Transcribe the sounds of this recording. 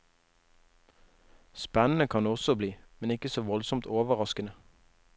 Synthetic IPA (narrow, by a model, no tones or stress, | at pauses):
spænn̩əkʰɑnɔsɔbliːmɛnɪkəsoːʋɔlsɔmt̪oːʋəʁɑskənə